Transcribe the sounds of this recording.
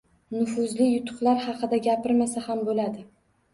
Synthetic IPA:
nʊfʊzlɪjʊt̪ʰʊ̥χlˠaɾhɑqɨd̪aɡʲapɪɾmasahambolad̪ɪ

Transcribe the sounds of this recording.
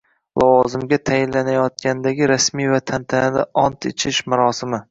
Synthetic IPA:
lʔɒwɒzɪmɡʲat̪ʰajɪnlːanajɒt̪̚kʲand̪aɡʲɪɾasmijvat̪ʰant̪ʰanɪd̪a̰ʔɒnt̪ʰɪt͡ʃʰɪʃmaɾɒsɪmɪ

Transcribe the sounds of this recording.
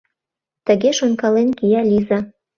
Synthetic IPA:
t̪ə̆ɣeʃonkɑlenkijælʲizə

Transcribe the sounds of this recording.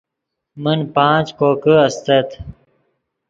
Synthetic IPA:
mənpãːt͡ɕkoːkəɐst̪et̪

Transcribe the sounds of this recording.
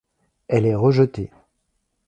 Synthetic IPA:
ɛlɛʁəʒət̪e

